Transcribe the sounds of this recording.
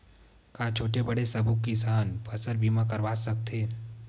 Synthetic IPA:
kat͡ʃʰoːʈebɐɽesɐbʱukːisaːnpɐsəɾbʱiːmãkɐɾʋaːsɐk̚t̪ʰeː

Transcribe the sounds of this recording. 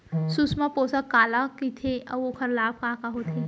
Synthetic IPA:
sʊsmapoːsakaːlakit̪ʰeɐ̰okʰɐɾlaːb̚kaːkaɦoːt̪ʰeː

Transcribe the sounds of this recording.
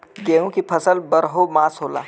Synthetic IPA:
ɡeũkipʰəsəlbəɾɦomasɦola̰

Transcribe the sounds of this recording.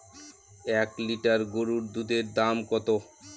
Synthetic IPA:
ɛkliʈaɾɡoɾuɾd̪ud̪ʱeɾd̪amkɔt̪o

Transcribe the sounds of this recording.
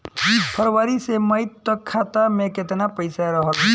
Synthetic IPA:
pʰəɾwaːɾiseməɪt̪ːəkʰːaːt̪amẽkɪt̪napəɪsaɾəɦə

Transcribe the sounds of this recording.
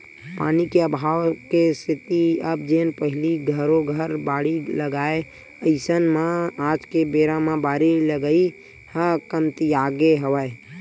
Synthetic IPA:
pa̰ːnikeəbʱaːwkesɪt̪iəb̚d͡ʒeːnpəɦɪliɡʱəɾoɡʱəɾbaːɽiləɡaːe | əɪsənmãaːd͡ʒkebeːɾãmãbaːɾiləɡəi | həkəmt̪iaːɡeɦəʋəe

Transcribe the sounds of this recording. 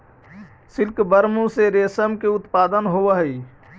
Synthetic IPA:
silkbəɾmũseɾesəmkeut̪pad̪ənɦoʋəɦəi

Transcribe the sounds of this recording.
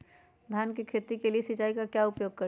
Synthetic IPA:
d̪ʱjaːnkikʰeːt̪ikeliesɪt͡ʃaːikakjaʊpjoːɡ̚kɐ

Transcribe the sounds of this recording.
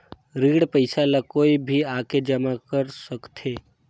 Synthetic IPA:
ɾiːɽpəɪsalakoːibʱiaːked͡ʒɐmakəɾsəkt̪eː

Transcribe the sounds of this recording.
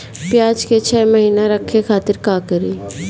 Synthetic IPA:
pjaːd͡ʒket͡ʃʰɛːməɦiːnaɾɐkʰːekʰaːt̪ɪɾkaːkəɾiː

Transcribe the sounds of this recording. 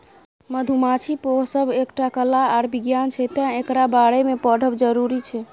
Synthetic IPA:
məd̪ʱumat͡ʃʰipoɦsəbʱekʈakəlaːɾbiɡjant͡ʃʰɛt̪ãekɾabaɽemepɔɖʱəbd͡ʒəɾuɾit͡ʃʰɛ

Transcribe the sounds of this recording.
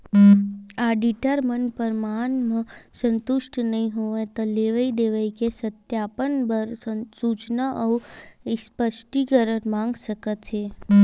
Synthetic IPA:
aɖiʈəɾmənpəɾmanmãsə̃nt̪ʊʃʈnəɦĩɦoʋẽt̪ɔleʋəid̪eʋəikesət̪japənbəɾsut͡ʃnəʔəuspəʃʈikəɾəmãŋɡʃəkət̪e

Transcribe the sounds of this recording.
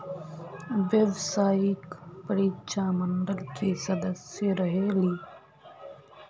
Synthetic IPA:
ʋeʋsaːikpəɾiːt͡ʃaːməɳɖəlkesɐd̪əseɾɐɦeːliː

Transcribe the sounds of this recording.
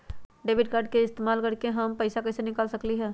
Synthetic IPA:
ɖeːbʱɪʈkaːɾɖ̚keɪst̪eːmaːlkəɾkeɦəmpɐɪsakɐɪsenɪkaːlsɐkliɦɛː

